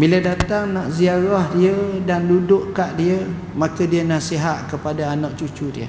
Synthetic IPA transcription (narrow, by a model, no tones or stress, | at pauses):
bilədat̪aŋnaʔziaɾɔhdiədandudʊʔkaʔdiə | makadiənasiɦat̪̚kəpadaːnɔʔt͡ʃut͡ʃudiə̰